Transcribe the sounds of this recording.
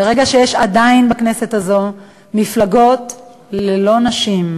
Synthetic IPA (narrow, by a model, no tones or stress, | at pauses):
beʁeɡaʃejeʃadainbaknese̞tazo̞ | miflaɡo̞t | lelo̞naʃim